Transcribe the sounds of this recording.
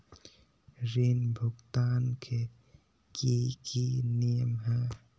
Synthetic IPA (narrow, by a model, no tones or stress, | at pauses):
ɾenbʱʊkt̪aːnkʰe | kikinijəmɦɛ